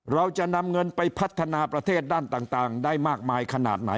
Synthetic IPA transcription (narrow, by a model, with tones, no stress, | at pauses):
ɾa˧wt͡ɕa˨˩ʔna˧mŋɤ˧npa˧jpʰa˦˥t̪ʰːa˧naː˧pɾa˧t̪ʰeː˥˩t̪̚daː˥˩nt̪aː˨˩ŋt̪aː˨˩ŋdaː˥˩jmaː˥˩k̚maː˧jkʰa˧na̰ː˨˩t̪̚na˩˦